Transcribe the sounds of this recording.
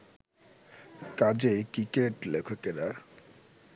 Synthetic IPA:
kad͡ʑejkikeʈlekʰokena

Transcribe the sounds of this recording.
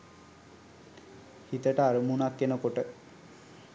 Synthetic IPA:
hit̪əʈaɾmunakːenokoʈə

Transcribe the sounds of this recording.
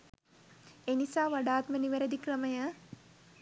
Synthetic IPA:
enisaːʋaɖaːt̪məniʋɐɾɐd̪ikrəmɐjə

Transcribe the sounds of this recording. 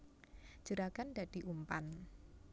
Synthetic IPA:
d͡ʒ̥əɾaɡ̥anda̤d̪̥i̤ʔumpan

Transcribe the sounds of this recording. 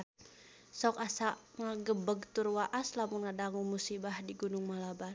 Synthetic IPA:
sɔkasaʔŋaɡəbəɡt̪urwaʔaslamunŋadaŋumusibahdiɡunʊŋmalabar

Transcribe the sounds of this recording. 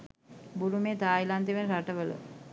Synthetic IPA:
buɾumeːt̪aːjilant̪iʋenɾaʈəʋələ̰

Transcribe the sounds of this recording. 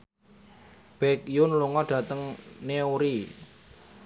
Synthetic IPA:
b̥ɛk̚jʊnluŋɔɖ̥ä̤t̪əŋneuɾi

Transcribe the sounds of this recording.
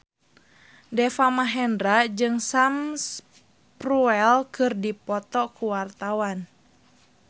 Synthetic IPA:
dɛfamaɦɛndɾad͡ʒɨŋsams | pruɛlkɨrdipɔt̪ɔkuwart̪awan

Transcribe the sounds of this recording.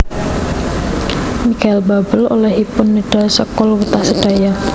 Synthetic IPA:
mikaɪlbabəlo̰lɛhipʊnːiɖ̥a̤sɔkɔlwut̪asəɖ̥a̤ja

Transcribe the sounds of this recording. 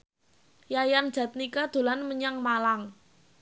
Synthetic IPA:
jajand̥ʒ̥a̤t̪̚nikad̪̥o̤lanməɲaŋmalaŋ

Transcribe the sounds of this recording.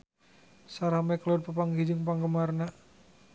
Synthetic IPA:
saɾamɛklɔd̚pəpaŋɦid͡ʒəŋpaŋɡəmarna

